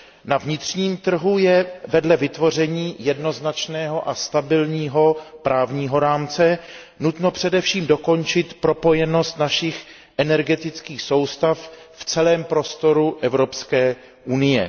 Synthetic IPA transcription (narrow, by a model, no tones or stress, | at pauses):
navɲɪt̪r̥ɲiːmt̪r̩ɦujɛvɛdlɛvɪt̪vo̞r̝ɛɲiːjɛdno̞znat͡ʃnɛːɦo̞ʔast̪abɪlɲiːɦo̞pɾaːvɲiːɦo̞ɾaːmt͡sɛ | nut̪no̞pr̝̥ɛdɛfʃiːmdo̞ko̞nt͡ʃɪt̪pɾo̞po̞jɛno̞st̪naʃɪx | ʔɛnɛɾɡɛt̪ɪt͡skiːxso̞wst̪afft͡sɛlɛːmpɾo̞st̪o̞ɾuʔɛvɾo̞pskɛː | ʔunɪjɛ̰